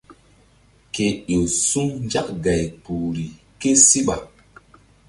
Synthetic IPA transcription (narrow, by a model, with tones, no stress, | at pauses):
ke˨ɗo˨su˦ŋnd͡ʒa˦k̚ɡa˨jpu˨ɾi˨ | ke˦si˦ɓa˨